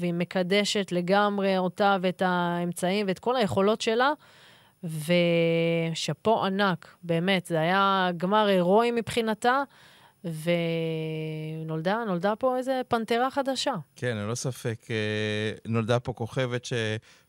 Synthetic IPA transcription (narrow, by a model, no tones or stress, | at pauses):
veime̞kade̞ʃe̞tle̞ɡamʁe̞o̞taveetaemt͡saimveet̪̚ko̞laje̞χo̞lo̞tʃe̞la | ve̞ | ʃepo̞ʔanakbe̞ːme̞tzeajaɡmaʁe̞ʁoimipχinata | ve | no̞ld̪ano̞ldapo̞ejze̞pant̪eʁaχad̪aʃakenilo̞safekenold̪apo̞koχe̞vetʃe